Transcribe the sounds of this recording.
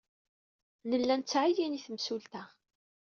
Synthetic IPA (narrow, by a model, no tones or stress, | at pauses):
nəlːænt͡sːʕijiniθəmsult̪æ